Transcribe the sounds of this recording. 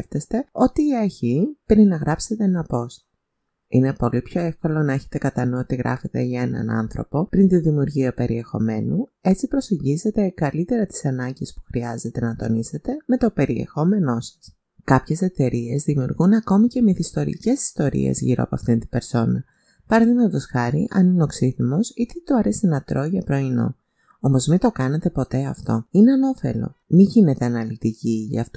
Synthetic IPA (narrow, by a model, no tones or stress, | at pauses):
ft̪est̪e̞o̞t̪iːɐɾçipɾinɐɣɾɐpse̞t̪enɐpo̞s | ine̞po̞lipço̞efko̞lo̞nɐeçe̞̥t̪e̞kɐt̪ɐnuot̪iɣɾʔɐ̰fet̪e̞ʝɐe̞nɐ̰nɐ̰nθɾo̞̰po̞pɾint̪iðimiuɾʝiɐpe̞ɾie̞xo̞̰me̞nue̞t͡sipɾo̞se̞ɲɟize̞t̪e̞kɐlit̪e̞ɾɐt̪i̥sɐnɐɲɟispu̥xɾiɐze̞t̪e̞nɐt̪o̞̰nise̞t̪e̞me̞t̪o̞pe̞ɾie̞̰xo̞me̞no̞sɐ̥s | kɐpçe̞se̞t̪e̞ɾie̞zðimiuɾɣunɐko̞micemiθist̪o̞ɾḭce̞si̥st̪o̞ɾḭḛzʝḭɾo̰ɐ̰poɐ̰ft̪int̪ibe̞ɾso̞nɐ | pɐɾɐðimɐt̪t̪osxɐɾiʔɐ̰nineoksiθimo̞sit̪et̪oɐɾe̞sinɐt̪ɾo̞ʝɐpɾo̞ino̞̰ | o̞mo̞zmit̪o̞kɐne̞t̪e̞po̞t̪e̞ɐft̪o̞ineɐno̞fe̞̰lo̞̰miʝine̞t̪e̞ɐnɐlit̪iciʝɐ̰ft̪o